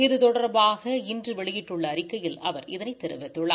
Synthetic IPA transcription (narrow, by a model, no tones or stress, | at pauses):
ɪðɯt̪ɔɽɐɾbaːɣɐɪndrɯʋɛɭɪjɪʈːɯɭːɐːɾɪkːɐjɪlɐʋɐɾɪ̰ðɐnɐɪt̪ːɛɾɯ̰ʋɪt̪ːɯɭːa̰ː